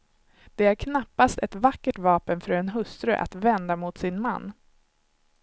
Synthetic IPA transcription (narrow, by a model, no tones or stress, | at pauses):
d̪̥ɛæɾkʰnapːast̪ɛt̪vakːəʈvɑːpənfœɾɛnɦɵst̪ɾɵ̰ʔa̰t̪vɛnd̪amʊt̪sɪnma̰nː